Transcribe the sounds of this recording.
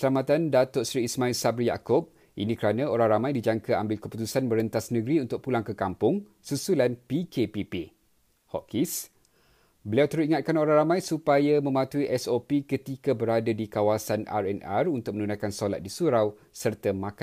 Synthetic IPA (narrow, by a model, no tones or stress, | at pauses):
əsəlamat̪andat̪ʊʔsɾiːsmãilsabɾija̰kʊp̚ | ʔinĩkəɾanãoɾaŋramãjdid͡ʒaŋkaambɪlkəput̪usanməɾənt̪asnə̃ɡɾiunt̪ʊk̚pulaŋkəkampʊŋ | susulanpikepipe | hɔ̰ʔkis | bəliawt̪əɾʊt̪̚iŋat̪̚kanoɾaŋɾamãjsupajamə̃mãt̪uiʔɛsopikət̪ikabəɾadadikawasana̰rɛna̰runt̪ʊk̚mə̃nunãjkansola̰t̪̚disuɾaw | sərt̪amãka